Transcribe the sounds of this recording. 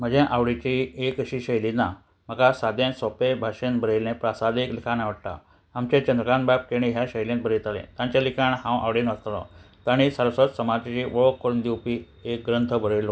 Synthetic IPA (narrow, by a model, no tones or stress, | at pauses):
m̤əd͡ʑẽʔaʋɽet͡ɕiekəɕiɕəjlina | məkasad̪jẽnsɔpebʱaɕənbʱəɾelnẽpɾasad̪eklikʰanaʋəɽʈ̪a̰ː | mt͡ɕẽt͡ɕənd̪ɾəkanbap̚keɽ̃ĩɦjaɕəjlẽt̪̚bʱəɾet̪alḛ̃t̪jãɲt͡ɕalikʰaɳhãwʔa̰ʋɽenəst̪alɔ̰ | t̪aɽ̃isəɾəsət̪səmad͡ʑt͡ɕiʋəɭokːəɾund̪iwpi | ek̚ɡɾənt̪ʰəbʱəɾelo